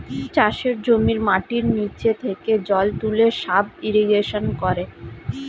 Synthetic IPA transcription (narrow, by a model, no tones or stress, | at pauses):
t͡ɕaʃeɾd͡ʑomiɾmaʈiɾnit͡ɕet̪ʰeked͡ʑɔlt̪uleʃabiɾiɡeʃonkɔɾe